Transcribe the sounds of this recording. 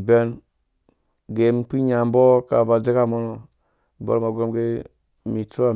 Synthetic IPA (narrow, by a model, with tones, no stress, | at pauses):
be˦n | ɡe˨˦m˦˨k͡pi˦ɲa˨m˦bo˦ka̰˨ba˨d͡ze˦ka˦˨mo˦no˨ | bo̰˦ma˨ɡo˦mɡe˦ | mi˨tu˦a˦˨